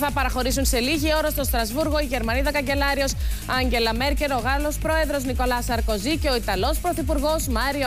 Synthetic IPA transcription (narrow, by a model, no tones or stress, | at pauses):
θɐpɐɾɐxo̞ɾisunse̞liʝio̞ɾɐst̪o̞st̪ɾɐzvuɾɣo̞iʝe̞ɾmɐniðɐkɐɲɟe̞lɐɾio̞sɐɲɟe̞lɐme̞ɾce̞ɾo̞ɣɐlo̞spɾo̞e̞ðɾo̞zniko̞lɐsɐɾko̞zice̞oit̪ɐlo̞spɾo̞θipuɾɣo̞zmɐɾio